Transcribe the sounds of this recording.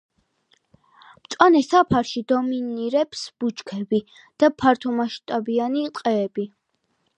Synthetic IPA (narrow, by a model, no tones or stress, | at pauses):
mt̪sʼwanɛsapʰaɾʃid̪ɔminiɾɛpsb̥ut͡ʃkʰɛbi | d̪̥apʰaɾt̪ʰɔmaʃt̪ʼabianit̪ʼqʼɛːbi